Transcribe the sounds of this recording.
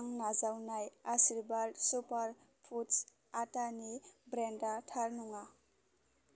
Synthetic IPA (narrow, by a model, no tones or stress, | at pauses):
ŋnad͡zawnajasiɾbalsupaɾpʰus | atanibɾeɳɖaʈʰaɾnuŋa